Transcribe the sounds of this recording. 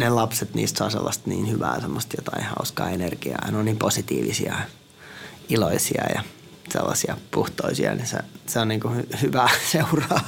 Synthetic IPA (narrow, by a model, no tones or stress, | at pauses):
nelɑpset̪nḭːst̪soɑsḛlːɑst̪niːnhyʋæːsemːost̪jot̪ɑeihɑuskɑːenerɡ̥iɑɑinonniːmposit̪iːʋisiɑ | iloisiɑjɑ | sḛlːɑsiɑpuht̪oisiɑnisḛseonniːŋkuhhyʋæseurɑː